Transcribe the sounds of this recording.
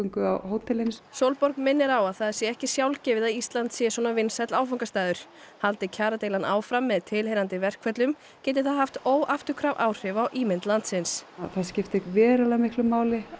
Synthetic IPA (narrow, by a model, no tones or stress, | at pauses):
ŋkʏawhoːwt̪ʰɛlɪnssowlpɔɾkmɪnːɪɾawaðθaðɛɾ̥sjɛɛhcɪsjawlcɛːvɪðaist̪lant̪sjɛswɔːnavɪnsɛt̪laːwfawŋkast̪aːðʏɾ̥ | halt̪ɪcʰaːɾat̪ejlanʔa̰ːwfɾamːɛðt̪ʰɪlɦejnant̪ɪvɛr̥kʰvɛt̪lʏm | cɛːt̪̬ɪθaðɦaft̪oːwʔaft̪ʏkʰɾavʔaːwr̥ɪvawʔiːmɪnt̪lant̪sɪnsθascɪft̪ɪkvɛːɾalamɪhklʏmːaːwlɪ